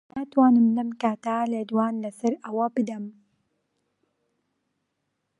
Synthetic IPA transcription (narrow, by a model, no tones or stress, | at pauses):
naːt̪waːnɨmlɐmkaːt̪aled̪waːnlɐsɐɾʔɐwɐbɨd̪ɐm